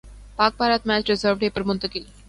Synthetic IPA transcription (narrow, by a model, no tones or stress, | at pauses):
pak̚bʱaɾat̪mæt͡ɕɾɪzəɾʋɖepəɾmənt̪əkeli